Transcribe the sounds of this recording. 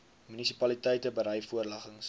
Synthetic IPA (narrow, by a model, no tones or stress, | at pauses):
mynisipɐlitɛjtəbəɾɛjfuərlɐχəŋs